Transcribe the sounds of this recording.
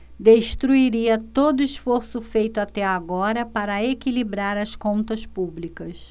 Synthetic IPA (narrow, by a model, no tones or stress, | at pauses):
d̪eʃt̪ɾuiɾiɐt̪od̪ʊisfoɾsʊfejt̪ʊat̪ɛaɡɔɾɐpaɾɐekilibɾaɾɐskõnt̪ɐspublikɐs